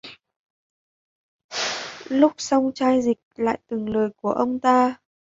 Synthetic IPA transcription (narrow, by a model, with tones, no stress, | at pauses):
lʊ˦˥k͡p̚sɔ˧wŋ͡mt͡ɕaː˧jzï˨˩k̚la̰ː˧˨jt̪ɨ˨˩ŋləː˨˩jku˧˩əʔə˧wŋ͡mt̪aː˧